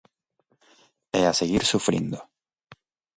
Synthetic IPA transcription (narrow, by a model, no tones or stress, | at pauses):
easeɣiɾsufɾḭnd̪o